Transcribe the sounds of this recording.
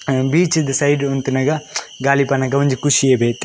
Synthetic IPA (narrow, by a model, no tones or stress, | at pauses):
biːt͡ʃd̪əsaiɖʊnt̪nɐɡaɡaːlipanaɡɐʋɐnd͡ʒikʊʃiebeːt̪